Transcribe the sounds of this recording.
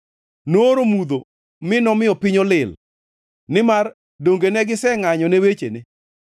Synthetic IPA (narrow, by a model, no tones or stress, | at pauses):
noɾomud̪o | mɪnɔmɪjɔpɪɲolɪl | nɪmar | doŋɡenɛɡɪsɛŋaɲɔnɛwet͡ʃḛnɪ